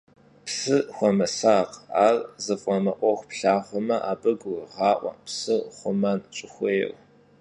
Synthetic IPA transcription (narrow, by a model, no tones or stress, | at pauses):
psɨxʷɔmɐsaːqaːrzɨfʼɔmɐʔʷʼɔxʷpɬaːχʷɔmɐʔaːbɐɡʷʊrʁɑːʔʷɐ̰psɨχʷʊmɐnt͡ʃʼɪxʷej̰r